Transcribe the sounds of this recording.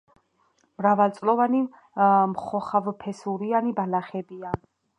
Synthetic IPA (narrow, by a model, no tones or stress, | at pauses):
mɾavalt̪sʼlɔvani | mχɔχavpʰɛsuɾianibalaχɛbian